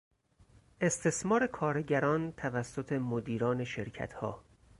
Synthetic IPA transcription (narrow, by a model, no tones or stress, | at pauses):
ʔe̞st̪ʰe̞smɒːɾe̞kʰɒːɾeɟæɾɒːnt̪ʰævæsːot̪ʰe̞mod̪iːɾɒːne̞ʃe̞ɾcʰæ̰t̪ʰhɒ̰ː